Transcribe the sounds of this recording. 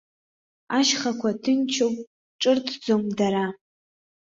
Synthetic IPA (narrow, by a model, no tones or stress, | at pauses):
aʃχakʷʰatʰɨnt͡ʃʰowpʼ | ʈ͡ʂʼɨrtʰʼd͡zomdaɾa